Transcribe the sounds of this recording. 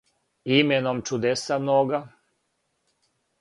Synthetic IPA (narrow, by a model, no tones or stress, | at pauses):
imenomt͡ʃud̪esamnoɡa